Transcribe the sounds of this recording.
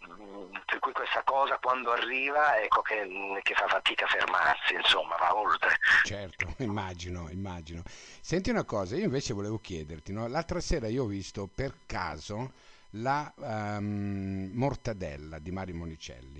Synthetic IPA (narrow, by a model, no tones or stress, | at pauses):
perkujkwest̪akɔːzakwand̪oarːiːvaɛkʰːokʰekefafat̪iːkafḛrma̰rsiinsomːa̰va̰olt̪ɾet͡ʃɛrt̪oimːad͡ʒinoḭmːaːd͡ʒinosɛnt̪iunakɔːzaiːoĩɱveːt͡ʃevoleːvok̟jɛːd̪ert̪inɔlalt̪ɾasɛːɾaioɔvist̪operka̰ːzola | mort̪ad̪ɛ̰lːad̪imaːɾjomonit͡ʃɛ̰lːi